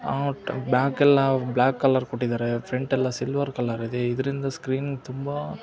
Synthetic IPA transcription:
aːbaːkːɛlːãːblaːkːɐlɐɾkuʈːɪiðaːɾɛfɾɛɳʈɛlːãːsɪlʋɐɾkɐlːɐɾɪðɯɪðɪɾɪnd̪ɐskɾiːnt̪ʊmba

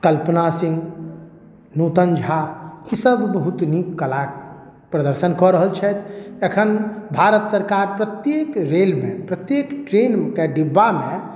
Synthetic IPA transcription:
kəlpənasĩŋɡ | nut̪ənd͡ʒʱaisəbbəɦut̪nikːəlak̚ | pɾəd̪əɾsənkɔɾəɦəlt͡ʃʰɛt̪ʰekʰənbʱaɾət̪səɾkaɾpɾət̪jekɾelmḛ̃pɾət̪jekʈɾenkeɖibːamẽ

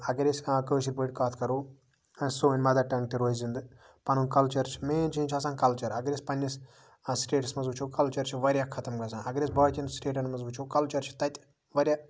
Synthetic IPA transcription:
ɐɡɐɾʲeskakəːʃ̬iɾʲpoːjʈ̚ʲkaːt̪ʰkɐɾuː | ɐnsoːinʲmɐd̪aʈɐ̃ŋk̚t̪iɾoːzzind̪ɨ | pɐnunkɐlt͡ʃɐɾt͡ʃʰi̥meːnt͡ʃʰiĩt͡ʃʰɐːsãːnkɐlt͡ʃɐɾɐɡɐɾʲespɐnʲːis | sʈeːʈsmɐnzbut͡ʃʰukɐlt͡ʃɐɾt͡ʃʰiʋɐɾʲjakʰɐt̪ɐmɡɐs̬ãːnʔɐɡɐɾʲesbɐːɽt̪ʲinsʈeːʈɐnmɐzbut͡ʃʰuːkɐlt͡ʃɐɾt͡ʃʰi̥t̪ɐt̪ʲ | ʋɐɾʲjaː

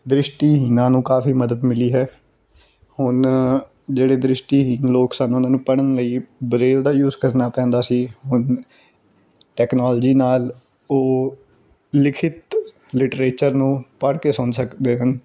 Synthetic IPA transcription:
d̪ɾɪʃʈiːɦinãːnũːkaːfiːməd̪əd̪mɪliːɦɛː | hʊn | d͡ʒeːɽeːd̪ɾɪʃʈiːɦɪnloːksanʊnãːnũːpəɽənləiːbɾeːld̪aːjuːzkəɾnaːpɛ̃ːnd̪aːsiːɦʊn | ʈɛːknaːld͡ʒiːnaːl | oː | lɪkʰɪt̪ | lɪʈɾeːt͡ʃəɾnũːpəɽkeːsʊnsəkd̪eːɦən

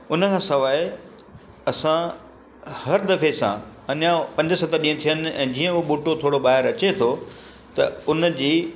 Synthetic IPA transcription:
ʊnəkʰãːsɐʋaːɪ | ɐsã | hɐɾd̪ɐfesã̰ɐɲãpɐ̃ɲd͡ʑəsɐt̪əɾɗĩːə̃t̪ʰijənɪ̆ɛ̰̃ːd͡ʑiːə̃ʊɓuːʈot̪ʰoːɽoɓaːɦɪɾɐt͡ɕet̪ʰo | t̪ɐʊnd͡ʑiː

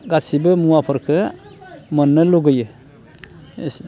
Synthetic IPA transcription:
ɡasibɯmuwapʰɯɾkʰɯ | mənːɯluɡɯjɯ | ḛs

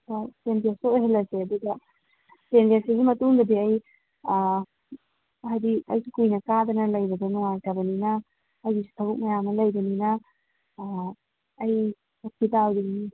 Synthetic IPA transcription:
asendiasoɦelɐseɐd̪uɡɐ | sentiaseɡimɐtuŋd̪ɐdiɐj | hajdiɐjsukujnɐkad̪ɐnɐlɐjbɐɡɐnuŋajtabɐninɐː | jɡisu̥tʰɐbuk̚mɐjamnɐlɐjbɐninɐ | j | ok̚ʰitawdiɡi

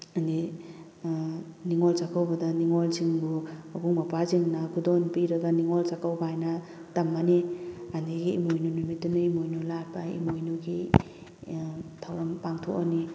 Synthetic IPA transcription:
andi | niŋɔlsakʰawbɐdaniŋɔlziŋbuabuŋmapaziŋnaɡudɔnpiɾɐɡaniŋɔlsakawbaajna | tamːanianiɡiḭmojnunumitːunuimojnulaɾpaḭmojnuɡi | tʰawɾampaŋtʰo̰ʔani

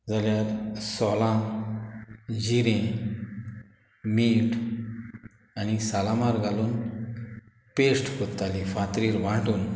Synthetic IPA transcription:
d͡zaljaɾsɔlã | d͡ʑiɾẽ | miʈ | anisalamaɾɡʱaluːn | pesʈkot̪ːalifãt̪ɾiːlʋãʈuːn

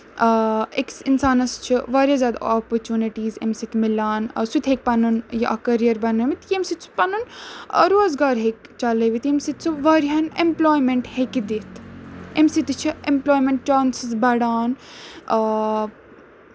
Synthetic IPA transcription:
eksɪnsaːnɐst͡ʃʰiʋaːɾjazʲjaːd̪a̰oːpɐɾt͡ʃuːniʈiːzḛmsit̪ʰmɪlaːnswit̪ɦeːk̚pɐnunjɐʔɐ̰kɐɾijɐɾbɐnɐmit̪jemsit̪su̥pɐnun̰ɾoːɐzɡaːɾɦekt͡ʃɐleʋit̪emsit̪t͡suʋaːɾiɐnemploːjmeɳʈhekid̪et̪emsit̪t͡ʃʰiemploːjmẽɳʈ̚t͡ʃaːnsisbɐɽaːn

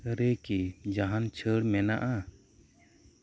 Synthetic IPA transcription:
ɾɛkid͡ʒaɦant͡ʃʰəɽmɛnaʔa

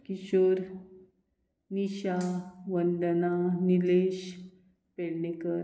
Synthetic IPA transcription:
kiɕoɾ | niɕaʋənd̪ənanileɕ | peɭnekəɾ

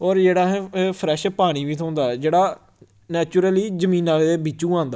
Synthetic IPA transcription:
ɔːɾd͡ʒeːɽaːɦɛ̃ːpʰɾɛːʃpaːɽ̃iːʋiːt̪ʰõːʊ̃nd̪aːd͡ʒeːɽaː | nɛːt͡ʃʊɾəliːd͡ʒəmiːnãːed̪eːbɪt͡ʃːũːãːnd̪a

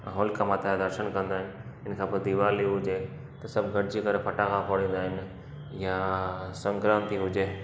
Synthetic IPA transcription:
ɦoːlkãmaːt̪ʰajd̪ɐɾʃənkɐ̃nd̪aːɦɪnɪ̆ | ɪnkʰãːpɐd̪iʋaːliɦʊd͡ʑeː | t̪ɐsɐbɡʱɐɽd͡ʑikɐɾpʰɐʈãkʰãpʰoːɽĩːn̆d̪aːɦɪnɪ̆ | jasɐ̃ŋɡɾaːmt̪iɦʊd͡ʑeː

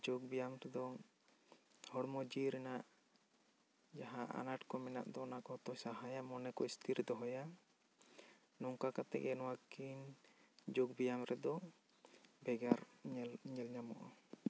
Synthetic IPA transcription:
d͡ʒoɡ̚bijamɾɛd̪ɔ | hɔɽmɔd͡ʒiɾɛnaʔ | d͡ʒaɦaʔa̰naʈkɔmɛna̰ʔd̪ɔɔnakɔɔt̪ɔjsaɦajamɔnɛkɔist̪ʰiɾd̪ɔɦɔja | nɔŋkakat̪ɛ̰kɛnɔwakind͡ʒoɡbijamɾɛd̪ɔ | bɛɡaɾlɲɛlɲamɔ̰ʔɔ

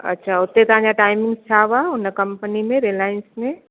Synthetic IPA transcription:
ɐ̰tːʃʰaʊt̪ːet̪ãd͡ʒaʈaːɪmɪ̃ŋɡst͡ʃʰaːʋaʊnəkəmpənimẽɾelaːjənsmẽ

